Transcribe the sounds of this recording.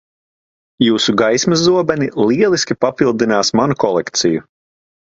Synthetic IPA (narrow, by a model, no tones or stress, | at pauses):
juːsuɡajsmɐzuɔbɛnilˠiɛlˠiskʲipapilˠd̪inaːsmanukɔlˠɛkt̪siju